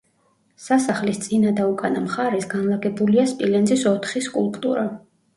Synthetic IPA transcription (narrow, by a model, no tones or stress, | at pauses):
sasaχlist̪sʼinad̪aukʼanamχaɾɛsɡanlˠaɡɛbuliaspʼilɛnzisɔt̪ʰχiskʼṵlˠpʼt̪ʼṵɾa